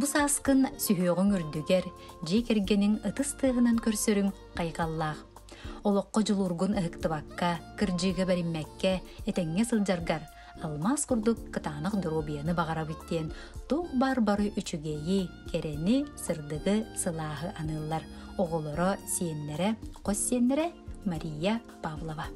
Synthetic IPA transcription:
busaːskɯnsyɦyœʁyŋyɾd̪yɡɛɾ | d͡ʑiɛkɛɾɡɛniŋɯt̪ɯst̪ɯːɦɯnankœɾsœɾyŋ | qajqalˠːaːχ | ɔlˠɔqːɔd͡ʑulˠuːɾɡunɯɦɯkt̪ɯβakːakɯɾd͡ʑɯːɡabɛɾimːɛkːɛːt̪ɛŋːɛsɯlˠd͡ʑaɾɡaɾ | alˠmaskuɾd̪ukːɯt̪aːnɯqd̪ɔɾoːbʲijanɯbaʁaɾabit̪ːiɛn | t̪uqbaːɾbaɾɯʔyt͡ʃyɡɛjikɛɾɛnisɯɾd̪ɯɣɯsɯlˠaːɦɯʔanɯːlˠːaɾ | ɔʁɔlˠɔɾɔsiɛnːɛɾɛqɔsːiɛnːɛɾɛmaɾʲijːa | pavlˠɔva

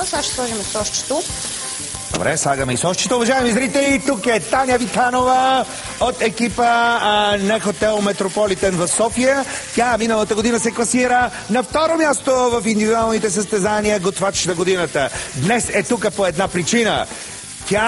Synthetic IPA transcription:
saʃslˠɔʒimisɔʃt͡ʃi̥t̪o | d̪o̰bɾɛslˠaɡəmɛisɔʃt͡ʃi̥t̪oʊvɐʒaɛmizɾit̪ɛlit̪ukɛt̪anʲəvit̪anovə | ot̪ɛkipə | nɐxot̪ɛlˠmɛt̪ɾopɔlit̪ɛnvɐfsɔfijət̪ʲaminəlˠət̪əɡod̪inəsɛklˠɐsiɾə | nɐft̪ɔɾomʲjast̪ovɐfind̪ivid̪ualˠnit̪ɛsəst̪ɛzaniəɡot̪vat͡ʃi̥ʃnɐɡod̪inət̪əd̪nɛsɛt̪ukəpoɛd̪napɾit͡ʃinə̰ | t̪ʲa

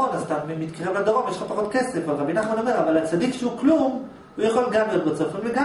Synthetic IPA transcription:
onazt̪aimit̪kaʁemladoʁomjeʃlapaχot̪kese̞falʁabinaχmano̞me̞ʁavalat͡sad̪ikʃeuklum | ujaχolɡamlijot̚bot͡sofimleɡa

